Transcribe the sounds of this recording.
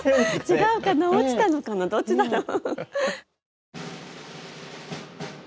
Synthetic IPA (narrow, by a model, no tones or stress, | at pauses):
t͡ɕiɡaɯ̟kanaot͡ɕit̪anokanad̪o̞t͡ɕt͡ɕid̪aɾo